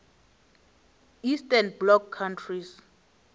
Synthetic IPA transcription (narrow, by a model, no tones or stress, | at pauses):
istʼɛnblɔkʰːantʰris